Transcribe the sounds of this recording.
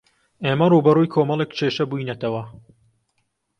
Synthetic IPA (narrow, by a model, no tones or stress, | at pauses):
ʔeːmɐruːbɐrujkʰoːmɐlˠekt͡ʃʰeːʃɐbuːjnɐt̪ʰɐwɐ